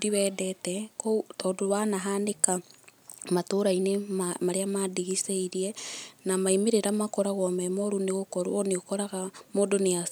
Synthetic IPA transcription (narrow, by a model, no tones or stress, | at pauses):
diβɛːdɛtɛkotɔdoβanaɦaneka | matoɾainemamaɾeamadiɣiseiɾienamaimeɾeɾamakoɾaɣɔmɛmoɾuneɣokoɾo̰oneokoɾaɣamodoneas